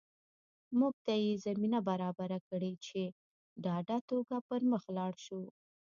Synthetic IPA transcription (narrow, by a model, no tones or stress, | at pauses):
muɡ̚t̪ajezaminabaɾɑbaɾakɽet͡ʃe | ɖɑɖat̪oɡapəɾməxlɑɽʃu